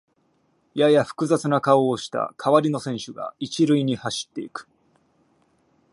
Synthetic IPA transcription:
jajaɸɯ̟̥kɯ̟zat͡sɨnakaoːɕi̥t̪a̰kʰaβaɾʲino̞sẽ̞ɕɨɡa̰it͡ɕiɾɯiɲ̟ihaɕi̥t̪ːe̞̰ikɯ̥

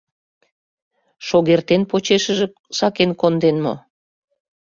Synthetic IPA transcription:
ʃoɣert̪enpot͡ɕeʃəʒĕ | sɑkenkond̪enmo̰

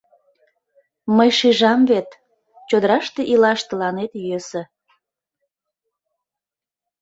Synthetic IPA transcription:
məjʃiʒɑmvet̪ | t͡ɕod̪əɾɑʃt̪eʔilɑʃt̪əlɑnet̪jøsə

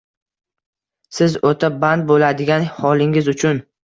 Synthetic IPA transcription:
sɪzot̪ʰaband̪̚bolad̪ɪɡʲanhɒlˠɪŋɪzʊt͡ʃʰʊn

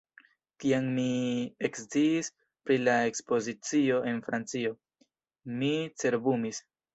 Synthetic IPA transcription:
tiaŋmie̞kst͡siːs | pɾilae̞kspo̞zit͡sio̞ʔe̞nfɾant͡sio̞ | mit͡se̞ɾbumis

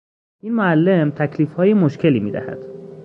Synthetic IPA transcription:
ʔiːnmoælːe̞mt̪ʰæcʰliːfhɒːjemoʃcʰe̞liːmḭːd̪æ̰hæ̰d̪̥

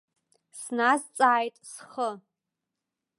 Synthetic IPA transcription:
snazt͡sʼaːjtʼsχə

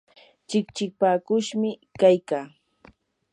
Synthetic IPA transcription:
t͡ʃɪkt͡ʃɪk̚paːkʊʃmɪkajkaː

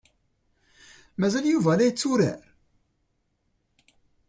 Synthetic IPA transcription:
mæzæljuvælæjət͡sːuɾæ̰ɾ

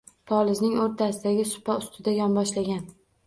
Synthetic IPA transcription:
pʰɒlˠɪznɪŋoɾt̪ʰasɪd̪aɡʲɪsʊ̥paʊst̪ʰɪd̪ajɒnbɒʃlaɡʲan

